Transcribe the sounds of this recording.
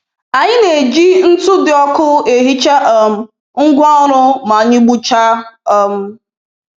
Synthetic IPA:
a˨ɲɪ˦ne˨d͡ʒi˦n̩˦tʊ˦dɪ˨ɔ˦kʊ˦e˨ɦi˦t͡ʃa˦ʔɔ˨m̩˦ | ŋ̩˦ɡʷa˦ɾʊ˦ma˨ɲɪ˦ɡ͡bu˦t͡ʃa˦ɔ˨m̩˦

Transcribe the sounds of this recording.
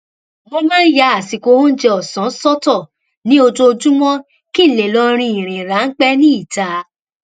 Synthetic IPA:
mɔ̃˧mã˦n̩˦ja˧˦a˨si˨˧ko˧˦ho˦n̩˦d͡ʒɛ˧ɔ˨sã˨˦sɔ˦tɔ˦˨ | nĩ˦o˧d͡ʒo˧d͡ʒũ˦mɔ̃˦ | ki˦˨le˨lɔ˧ɾ̃ĩ˧˨i˨ɾ̃ĩ˨ɾa˨˦ŋ̩˦k͡pɛ˦nĩ˦i˦˨ta˨

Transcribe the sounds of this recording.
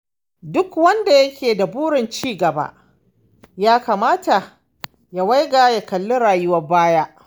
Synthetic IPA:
dʊ˦kwɐ˦nda˨jɐ˦kʲʰeː˨da˨buː˦ɽɪ˨nt͡ʃiː˦ɡɐ˨ba̰˦ʔ | jaː˦kaː˨maː˦ta˨ | ja˨wa˦jɡaː˨ja˨kɐ˨lːʊ˦ɽaː˨jʊ˦wɐ˦baː˦ja˦ʔ

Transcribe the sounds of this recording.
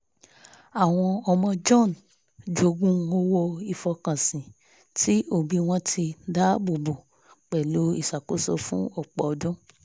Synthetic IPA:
a˨w̃ɔ̃˧ɔ˧mɔ̃˧d͡ʒɔ̃˦˨n | d͡ʒo˧ɡũ˦o˦wo˧i˧˨fɔ˧kã˨sĩ˨ | tʰi˦o˦˨bi˧w̃ɔ̃˧tʰi˧˦da˦bu˨bo˨ | k͡pɛ˨lo˨˦ḭ˦˨sa˨ko˨˦sɔ̰˧fũ˦ɔ˦˨k͡pɔ˨dũ˦

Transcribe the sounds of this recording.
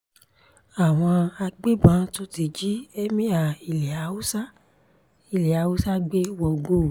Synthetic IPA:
a˨w̃ɔ̃˧a˧ɡ͡be˦bã˨˦to˦ti˧d͡ʒi˦ɛ˦mĩ˦a˨i˨lɛ˨a˨˦u˦sa˦ | i˨lɛ˨a˨˦wu˦sa˦ɡ͡be˦wɔ˧ɡo˦˨

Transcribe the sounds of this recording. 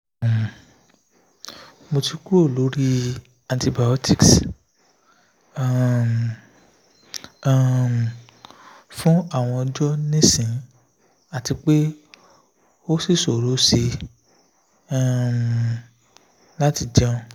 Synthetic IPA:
mo˧ti˧ku˦o˦˨lo˨˦ɾi˦ | ã˨nti˧ba˨ɔ˦tʰi˦˨ks | fũ˦a˦˨w̃ɔ̃˧ɔ˧d͡ʒɔ˦nĩ˦sĩ˨˦ | a˦˨ti˧k͡pe˦ | o˦si˦˨so˨ɾo˨˦se˧˦ | la˦ti˧d͡ʒɔ̃˦˧

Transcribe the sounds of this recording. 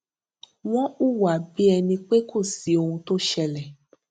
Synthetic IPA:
w̃ɔ̃˦u˦˨wa˨bi˦ɛ˧nĩ˧k͡pe˦kʰo˦˨si˨o˧hũ˧to˦ʃɛ˧lɛ˨

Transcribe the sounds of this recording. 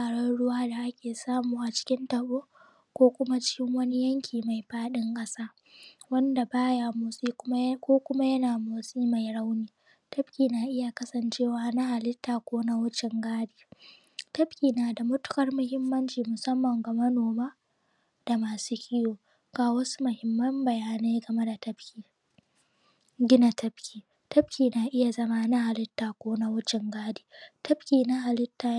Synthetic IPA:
taː˨ɽɔ˦nɽʊ˦waː˦da˨ʔa˦kʲeː˨saː˦muː˨ʔa˨t͡ʃɪ̥˦kʲɪ˦ntɐ˨ɓoː˦ | kʷoː˦kʷʊ˦ma˦t͡ʃɪ̥˦kʲɪ˦ŋwɐ˦ni˦jɐ˦ŋkʲʰiː˨ma˨jɸaː˦ɗɪ˦ŋkʼɐ˦saː˦ | wɐ˦nda˨baː˦ja˨moː˨siː˦ʊ˦kʷoː˦kʷʊ˦ma˦jɐ˦naː˨moː˨siː˦ma˨jɽa˦wniː˦ | tɐ˦bkʲiː˨naː˨ʔɪ˦ja˨kɐ˦sɐ˨nt͡ʃeː˦˨waː˦na˦ha˨lɪ˦tːaː˨kʷoː˦na˦wɐ˦t͡ʃɪ˨ŋɡaː˦ɽiː˨ | tɐ˦ɸkʲiː˨naː˨da˨mʊ˦tʊ̥˦kɐ˦rmʊ˦hɪ˦mːɐ˦nt͡ʃiː˨mʊ˨sɐ˦mːɐ˨ŋɡa˨mɐ˦noː˨maː˦ | d̥a˨maː˨suː˦kʲʰɪ˦joː˨ | ɡ̥aː˨wɐ˦su̥˦mʊ˨hɪ˨mːɐ˦mbɐ˨jaː˦ne˦jɡɐ˨me˦da˨tɐ˦bkʲiː˨ | ɡʲɪ˦na˨tʰɐ˦bkʲiː˨ | tɐ˦ɸkʲiː˨naː˨ʔɪ˦ja˨zɐ˦ma˦na˦ha˨lɪ˦tːaː˨kʷoː˦na˦wʊ˦t͡ʃɪ˨ŋɡaː˦diː˨tʰɐ˦ɸkʲiː˨na˦ɦa˨lɪ˦tːaː˨

